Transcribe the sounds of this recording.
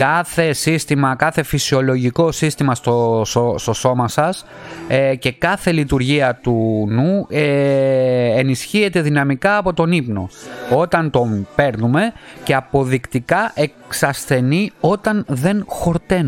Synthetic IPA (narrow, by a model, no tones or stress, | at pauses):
kɐθe̞sist̪imɐkɐθe̞fisio̞lo̞ʝiko̞sist̪imɐst̪ostost̪o̞so̞mɐsɐs | ce̞kɐθe̞lit̪uɾʝiɐt̪unu | enisçie̞t̪e̞ðinɐmikɐːpo̞t̪o̞nipno̞̰o̞t̪ɐnt̪o̞mpe̞ɾnume̞ce̞ɐpo̞ðikt̪ikɐʔe̞ksɐsθe̞nio̞t̪ɐnðe̞nxo̞ɾt̪e̞n